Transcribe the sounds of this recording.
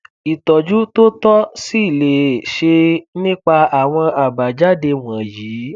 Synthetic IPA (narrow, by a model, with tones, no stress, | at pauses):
i˨tɔ˨d͡ʒu˨˦to˦tɔ˦si˦˨le˨ʃe˧nĩ˦k͡pa˧a˨w̃ɔ̃˧a˨ba˨d͡ʒa˦de˧w̃ɔ̃˨jiː˨˦